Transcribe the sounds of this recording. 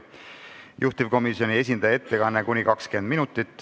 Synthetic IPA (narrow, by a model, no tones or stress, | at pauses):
jʔuht̪ivko̞miso̞nʲie̞s̬ʲind̪ɑjɑet̪ːe̞kɑnːekunʲikɑkske̞nd̪minut̪ˑːit̪ːˑ